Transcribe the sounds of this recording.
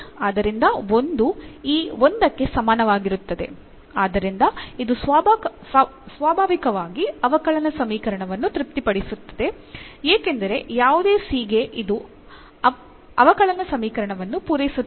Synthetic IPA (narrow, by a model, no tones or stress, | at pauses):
aːd̪ɐɾind̪ɐond̪uiːo̞nd̪ɐkːe̞sɐmaːnɐʋaːɡiɾut̪ːɐd̪e̞̰ | aːd̪ɐɾind̪ɐid̪usʋaːbʱ | sʋaːbʱaːʋikɐʋaːɡiɐʋɐkɐɭɐnɐsɐmiːkɐɾɐɳɐʋɐnːut̪ɾip̚t̪ipɐɽisut̪ːɐ̥d̪e̞ | eːke̞nd̪ɐɾe̞jaːʋud̪eːsiːɡe̞ʔid̪u | ɐ | ɐʋɐkɐɭɐnɐsɐmiːkɐɾɐɳɐʋɐnːupuːɾɐjisu